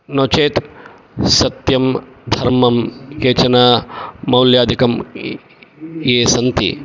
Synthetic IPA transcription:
noːt͡ʃeːt̪ | sɐt̪jɐmd̪ʱɐɾmɐmkeːt͡ʃɐnamɐwljaːd̪ʱikɐm | jeːsɐnt̪ḭ

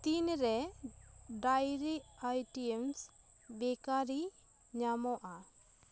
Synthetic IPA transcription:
t̪inɾɛ | ɖajɾiʔajʈiɛms | bɛkaɾi | ɲamɔʔa

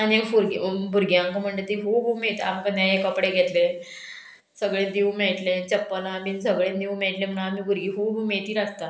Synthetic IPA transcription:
anfuɾɡbʱuɾɡjãŋkəm̤əɳd͡ʑet̪iɦoɦumeɭt̪a̰mkəd̪jãekəpɽeɡʱet̪lẽ | səɡɭẽd̪iũmeɭʈlẽt͡ɕəpːəlãminsəɡɭẽd̪iũmeɭʈlẽm̤əɳamiːbʱuɾɡiɦoɦumeɭt̪iːɾatt̪a

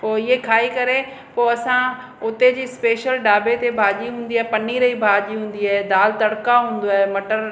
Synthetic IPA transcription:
poːɪɦekʰaːikɐɾe | poːɐsã | ʊt̪ed͡ʑiːspeːʃəlɖaːbet̪ebʱaːd͡ʑiɦũːn̆d̪iaːɦepɐniɾɐibʱaːd͡ʑiɦũːn̆d̪iaːɦed̪aːlt̪ɐɽkaɦũːn̆d̪oaːɦemɐʈəɾ

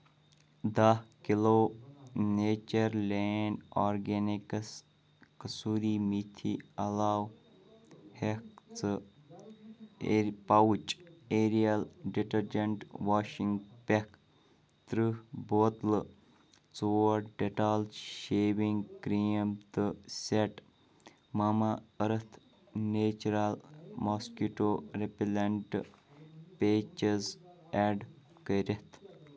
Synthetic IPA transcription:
d̪ɐhkiloːneːt͡ʃɐɾleːnaːɾɡeniks | kɐsuːɾiːmit̪ʰiɐlaːw | hekt͡sɨ | pɐwt͡ʃeːɾijɐlɖiʈɐɾd͡ʒɐɳʈʋaːʃiŋɡpek | t̪ɾɨhboːt̪lɨ | t͡soɾɖeʈalʃeːʋiŋɡkɾiːmt̪ɨseʈ | mɐmaəɾət̪ʰ | neːt͡ʃɾalmɔskiʈoɾepileɳʈ | peːt͡ʃezɛːɖ | kəɾet̪ʰ

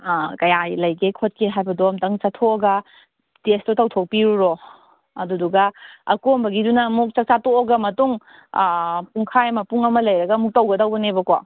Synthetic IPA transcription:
kɐjajlɐjɡekʰot̚keɦajbɐdoɐmtɐŋt͡ʃɐtʰoɡɐ | testotɐwtʰok̚piɾuɾo | ɐduduɡɐɐ̰kombɐɡidunɐmuk̚t͡ʃɐk̚t͡ʃatoɐɡɐmɐtuŋ | puŋkʰajmɐpuŋɐmɐlɐjɾɐɡɐmuk̚tɐwɡɐdɐwbɐnebɐko

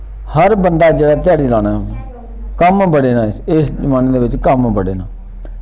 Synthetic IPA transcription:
həɾbənd̪aːd͡ʒeːɽaːt̪ɪjaːɽiːlaːnaː | kəmbəɽeːnãːɪsd͡ʒəmaːneːd̪eːʋɪt͡ʃkəmbəɽeːnãː

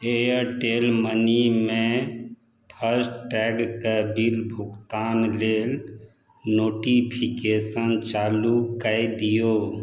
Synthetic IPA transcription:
ejəɾʈelmənime | pʰəɾsʈʈɛɡkebilbʱukt̪anlel | noʈipʰikesənt͡ʃalukəjd̪ijo

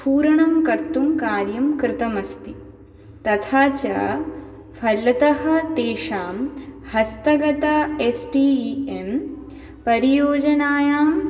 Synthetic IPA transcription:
puːɾɐɳɐmkɐɾt̪umkaːɾjɐmkɾɪt̪ɐmɐst̪i | t̪ɐt̪ʰaːt͡ʃɐ̰ | pʰɐlːɐt̪ɐɦɐ̆t̪eːʃaːmhɐst̪ɐɡɐt̪ɐesʈiem | pɐɾijoːd͡ʒɐnaːjaːm

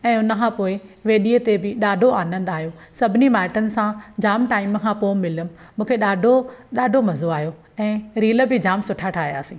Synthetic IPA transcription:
ɛ̃ːʊnəkʰãːpoːɪʋeːɗiːət̪ebɪɗaːɖʱoaːnə̃nd̪aːɦijosɐbʱɪnimaːɪʈənɪ̆sãd͡ʑaːmʈaːɪməkʰãpoːmːɪləmː | ũːkʰeɗaːɖʱoɗaːɖʱomɐzoaːɦijo | ɛ̃ːɾiːləbɪd͡ʑaːmsʊʈʰaʈʰaːɦja̰ːsĩː

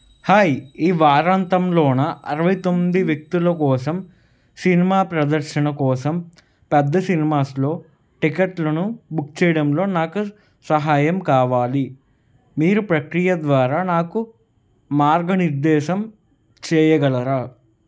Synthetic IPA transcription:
haːjiːʋaːɾaːnt̪ɐmloːnɐɐɾɐʋɐjt̪omːid̪iʋjɐk̚t̪ilɐkɔːsɐm | sinimaːpɾɐd̪ɐɾʃɐnɐkɔːsɐm | pɛd̪ːɐsinimaːslo̞ː | ʈikɐʈlɐnubuk̚t͡ʃɛːjɐɽɐmlo̞ːnaːku | sɐɦaːjɐmkaːʋaːli | miːɾupɾɐkɾijɐd̪ʋaːɾaːnaːku | maːɾɡɐniɾd̪ɛːʃɐm | t͡ʃɛːjɐɡɐlɐɾaː

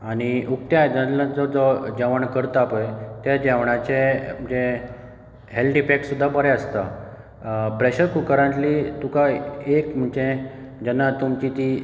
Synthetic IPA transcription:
aɽ̃iʔukt̪jad͡zəlãd͡zɔd͡zɔd͡ʑaʋəɳkəɾt̪aapəjt̪jad͡ʑaʋɳat͡ɕem̤əd͡ʑe | ɦelʈipeksud̪ʱːabəɾɛəst̪a̰ | pɾeɕəɾkukəɾə̃ɳʈlit̪ukaekm̤əɳt͡ɕẽd͡ʑənːat̪umt͡ɕit̪i

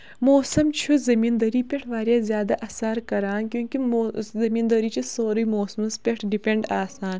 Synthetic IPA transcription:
moːsɐmt͡ʃʰuzɐmĩːnd̪ɐɾiːpʲeʈʰʋaːɾjaːzʲjaːd̪aʔɐsaɾkɐɾaːnkjõːkimːzɐmiːnd̪ɐɾiːt͡ʃʰisoːɾimoːsmɐspʲeʈʰɖipẽɳɖaːsaːn

